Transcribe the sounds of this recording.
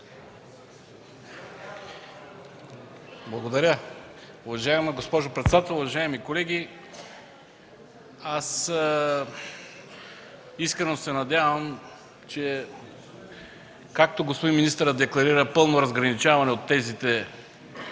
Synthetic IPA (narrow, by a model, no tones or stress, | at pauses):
blˠɐɡod̪ɐɾʲə | ʊvɐʒaɛmɐɡospɔʒopɾɛt̪sɛd̪at̪ɛlˠʊvɐʒaɛmikolɛɡʲi | as | iskɾɛnosɛnɐd̪ʲavɐm | t͡ʃɛ | kak̚t̪oɡospod̪inminist̪əɾəd̪ɛklˠɐɾiɾəpɤlˠnoɾɐzɡɾɐnit͡ʃavɐnɛot̪ːɛzit̪ɛ